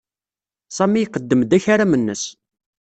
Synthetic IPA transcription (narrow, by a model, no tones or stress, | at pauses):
sˤæmːijqəd̪ːəmd̪æçaɾamənːə̰s